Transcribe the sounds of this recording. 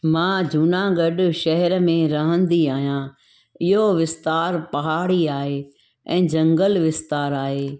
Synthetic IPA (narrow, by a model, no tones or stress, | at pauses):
mãːd͡ʑʱunãɡɐɖʃɛɦɛɾmẽɾɐɦə̃nd̪iaːɦijãː | ɪɦoʋɪst̪aːɾpɐɦaːɽiaːɦe | ɛ̃ːd͡ʑɐ̃ŋɡəlʋɪst̪aːɾaːɦeː